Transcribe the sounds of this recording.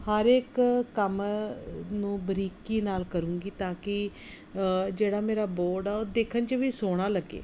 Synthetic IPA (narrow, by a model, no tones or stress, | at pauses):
həɾeːkːəm | nũːbəɾiːkiːnaːlkəɾũːŋɡiːt̪ãːkɪ | d͡ʒeːɽaːmeːɾaːboːɾɖɛːoːd̪eːkʰənt͡ʃəʋiːsoːɽ̃aːləɡḛː